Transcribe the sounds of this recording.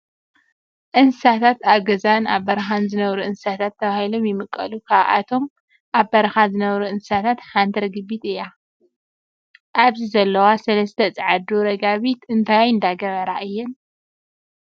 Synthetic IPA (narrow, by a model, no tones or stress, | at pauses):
ʔɨnsɨsat̪ʰat̪aβɡɐzanaβbɐɾɐxanzɨnɐβɾuʔɨnssat̪ʰat̪ʰːɐβahilo̞mjɪmɨkʼːɐ̰lukʰaβʔa̰t̪ʰo̞m | ʔaβbɐɾɐxazɨnɐβɾuʔɨnssat̪ʰat̪ħant̪ʰɐɾɡɨbit̪ɨja | ʔaβzizɐlːɐwasɐlɐst̪ʰɐt͡sʼʕad̪uɾɐɡaβit̪ɨnt̪ʰajɨnd̪aɡɐβɐɾaʔɨjːɛn